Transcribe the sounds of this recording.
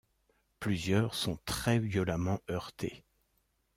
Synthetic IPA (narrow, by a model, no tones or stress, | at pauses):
plyzjœʁsɔ̃t̪χɛvjɔlamɑ̃ʔœʁt̪ʰe